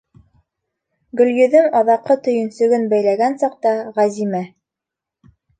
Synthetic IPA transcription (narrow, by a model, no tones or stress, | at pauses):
ɡɵ̆ljɵ̆ðɘmɒðɑqːɤt̪ɵ̆jɵ̆nsɵ̆ɡɵnbæjlæɡænsɑq̚t̪ɑʁæzimæ